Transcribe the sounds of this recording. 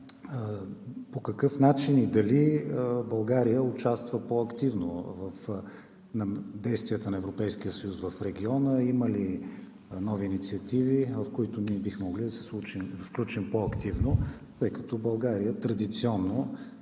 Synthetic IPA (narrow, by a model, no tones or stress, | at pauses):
pokɐkɤfnat͡ʃinid̪ɐlibɐlˠɡaɾijəʊt͡ʃast̪vəpoɐkt̪ivno̰vɐf | nɐd̪ɛjst̪vijət̪ənɐɛvɾopɛjsk̟ijəsəjusvɐfɾɛɡ̟iɔnəiməli | nɔviːnit̪siɐt̪ivivɐfkoit̪ʊniɛbixmoɡlid̪ɐsɛ̥slˠut͡ʃimfklʲut͡ʃimpoɐkt̪ivno | t̪ɤjkɐt̪ɔbɐlˠɡaɾijət̪ɾɐd̪it̪siɔnːo